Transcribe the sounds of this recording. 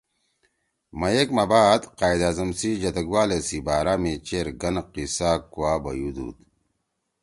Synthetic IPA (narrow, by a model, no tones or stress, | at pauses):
mɐjekmɐbaːd̪qaːjd̪aːzɐmsid͡ʑɐt̪ɐɡwaːlesibaːɾaːmit͡ɕeɾɡɐnqisaːkuwaːbɐjud̪ṵːt̪